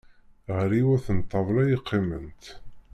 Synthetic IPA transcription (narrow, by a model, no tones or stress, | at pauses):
ʁɾiwæθənt̪ˤːɑvlæjəqʰːimənt̪